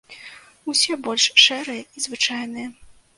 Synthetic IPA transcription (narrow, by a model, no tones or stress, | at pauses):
usʲɛbɔlʲʂʂɛɾɨjɐizvɨt͡ʂajnɨjɛ